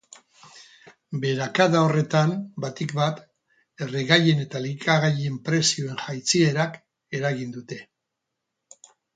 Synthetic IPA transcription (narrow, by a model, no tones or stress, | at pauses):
be̞ɾakaðao̞re̞t̪ambat̪ikβat̪ | e̞reɣaje̞ne̞t̪alikaɣaje̞mpɾe̞sio̞e̞nʝajt͡sie̞ɾak | e̞ɾaɣind̪ut̪e̞